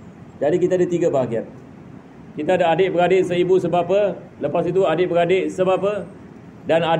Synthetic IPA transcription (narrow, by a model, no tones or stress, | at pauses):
d͡ʒadikit̪aadat̪iɡabaɦaɡiat̪̚ | kit̪aːdaadeʔ̚bəɾadɪʔsəibusəbapə | ləpasit̪̬uadɪʔ̚bəɾadeʔsəbapə | dana